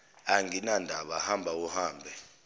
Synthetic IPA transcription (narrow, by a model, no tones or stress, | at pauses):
aŋinandʱaɓahambʱauhaːmbʱɛ